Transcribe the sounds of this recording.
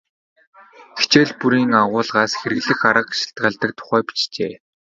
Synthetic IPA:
xe̥t͡ɕeːɮpuɾiːŋaʁʊːɮʁaːsxeɾɘ̆ɣɮɘ̆xaɾə̆qʃɪ̥ɬt̪̚ɢaːɮt̪ə̆k̚t̪ʰʊ̥χæːpi̥t͡ɕt͡ɕḛː

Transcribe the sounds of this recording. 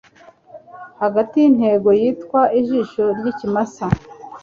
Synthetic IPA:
haɡatijin̥he̞ɡo̞jiːtkwaiʒiːʃo̞ɾɟicimasa

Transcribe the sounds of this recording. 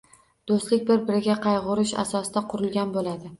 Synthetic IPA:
d̪̥ost̪lɪk̚ʲbɪɾbɪɾɪɡʲaqʰɑjʁʊɾɪʃa̰sɒsɪd̪aqʰʊɾɪlˠɡʲanbolad̪ɪ

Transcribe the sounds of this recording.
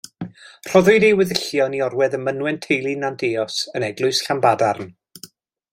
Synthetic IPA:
r̥ɔðʊɨdejwɪðɪɬjɔniɔrwɛðəmənwɛntʰejlˠinandeːɔsənɛɡlˠʊɨsɬambadarn

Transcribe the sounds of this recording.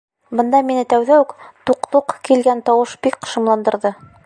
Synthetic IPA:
bɤ̆nd̪ɑminɘt̪æwðæʉkt̪uqt̪uqkilɡænt̪ɒwɤʃbikqɤ̥̆ʃɤ̆mlˠɑnd̪ɤ̆ɾðɤ

